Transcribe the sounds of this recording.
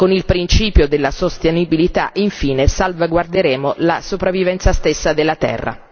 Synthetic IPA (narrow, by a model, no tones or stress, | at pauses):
konilpɾint͡ʃiːpjod̪elːasost̪enibilit̪a̰ʔiɱfiːnesalvaɡward̪eɾeːmolasopɾavːivɛnt̪sast̪esːad̪elːat̪ɛ̰rːa̰